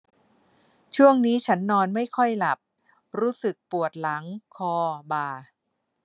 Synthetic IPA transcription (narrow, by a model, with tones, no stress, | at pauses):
t͡ɕʰu˥˩əŋniː˦˥t͡ɕʰa˦˥nːɔː˧nma˥˩jkʰɔ˥˩jla˨˩p̚ | ɾuː˦˥sɯ˨˩k̚pu˨˩ət̪̚la˩˦ŋkʰɔː˧baː˧